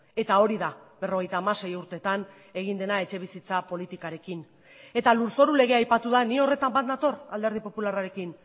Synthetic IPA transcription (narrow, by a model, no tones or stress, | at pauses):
e̞t̪ao̞ɾiðabe̞ro̞ɣ̞ejt̪aːmase̞juɾt̪e̞t̪an | e̞ɣind̪e̞nae̞t͡ʃe̞β̞isit͡sapo̞lit̪ikaɾe̞kin | e̞t̪aluɾso̞ɾule̞ɣ̞e̞ajpat̪uðanio̞re̞t̪ambat̪̚d̪at̪o̞rald̪e̞ɾð̞ipo̞pularaɾe̞kin